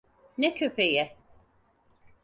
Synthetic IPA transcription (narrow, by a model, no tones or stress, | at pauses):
nɛcʰø̞pʰejɛ